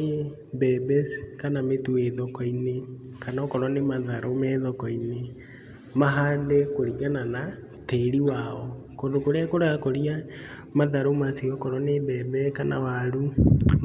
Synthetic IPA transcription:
e | bɛbɛskanametueðɔkɔine | kanɔkɔɾɔnemaðaɾomɛðɔkɔine | maɦaːdɛkoɾiɡanana | teɾiwaɔ | kondokoɾeakoɾaɣakoɾia | maðaɾomasiɔkɔɾɔnebɛbɛkana̰waɾu

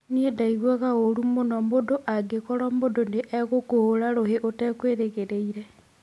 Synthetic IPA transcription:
niedaiɣwaɣaoɾumonomodoʔaɡekɔɾomodoneʔɛɣokohoɾaɾoɦeʔotɛkweɾeɣeɾeiɾe

